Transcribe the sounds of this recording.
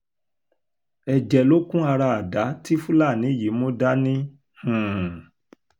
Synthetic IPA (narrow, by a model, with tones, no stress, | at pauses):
ɛ˨d͡ʒɛ˨lo˦kũ˦a˧ɾa˧a˨da˨˦ti˦fũ˦la˦˨nĩ˨˦˨ji˨˦mõ˦da˦nĩ˦ | hũ˨